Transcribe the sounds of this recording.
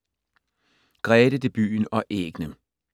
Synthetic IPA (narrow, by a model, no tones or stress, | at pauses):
ɡ̥ʁɛːdəd̥eb̥y̰ːnɒ̽ʔeːɡ̥nə